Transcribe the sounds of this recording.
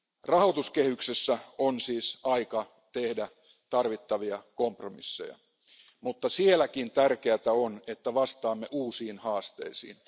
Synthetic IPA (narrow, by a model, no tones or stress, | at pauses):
rɑhot̪uskehyksesːæonsiːsɑikɑ | t̪ehdæ | t̪ɑrʋit̪ːɑʋiɑkompromḭsːḛjɑ̰ | mut̪ːɑsielækint̪ærkeæt̪æonet̪ːæʋɑst̪ɑːmːeʔuːsiːnhɑːst̪ḛisḭːn